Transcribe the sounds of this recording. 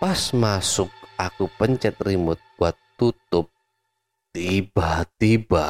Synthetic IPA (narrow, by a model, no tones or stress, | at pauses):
pasmasʊk̚ʔakupəɲt͡ʃət̪̚rimʊt̪̚ɡwat̪ːut̪ʊp̚ | t̪ib̥at̪iba